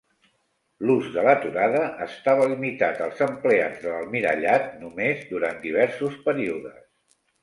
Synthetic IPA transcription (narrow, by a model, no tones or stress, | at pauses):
luzðələt̪uɾaðəʔəst̪aβ̞əlimit̪at̪əlˠzəmplea̰d͡zðələlˠmiɾə̰ʎat̪̚numezd̪uɾand̪iβ̞ɛɾsuspəɾiuðə̰s